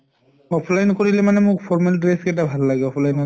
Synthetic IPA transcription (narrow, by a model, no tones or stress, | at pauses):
ɔpʰlajnkoɹilɛmanɛmʊkpʰɔɹmɛldɹapʰkɛt̬abʱalːaɡɛɔpʰlajn